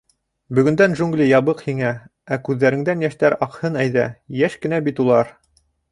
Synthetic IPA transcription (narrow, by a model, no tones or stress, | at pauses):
bɵ̆ɡɵ̆nd̪ænʒuŋɡlʲijɑβɤqhiŋæ | ækʉðːæɾɘ̆ŋd̪ænjæʃt̪æɾɑqhɤnæjðæ̰jæʃkɘ̆næbit̪ulˠɑɾ